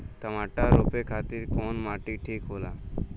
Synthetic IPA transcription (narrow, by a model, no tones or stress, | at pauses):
t̪əmaʈaɾopekʰat̪iɾkɔnmaʈiʈʰiːkɦola̰